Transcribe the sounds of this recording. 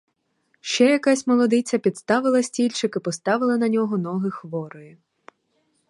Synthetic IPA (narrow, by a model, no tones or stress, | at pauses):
ʃt͡ʃɛjɐkasʲmɔlˠɔd̪ɪt͡sʲɐpʲid̪st̪ɑʋɪlˠɐsʲtʲilʲt͡ʃɪkɪpɔst̪ɑʋɪlˠɐnɐnʲɔɦɔnɔɦɪxʋɔɾɔjʊ